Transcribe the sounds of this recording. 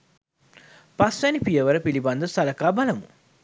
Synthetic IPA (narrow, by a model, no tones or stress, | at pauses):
pasʋɛnipijəʋəɾəpiliband̪əsɐlɐkaːbɐlɐmṵ